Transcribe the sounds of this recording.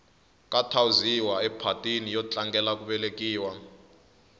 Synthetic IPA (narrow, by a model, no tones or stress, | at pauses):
kʼatʰawuziwaɛpʰatʼinijɔt͡ɬʼaŋɡɛlak̬ʼuɓɛlek̬ʼiːwa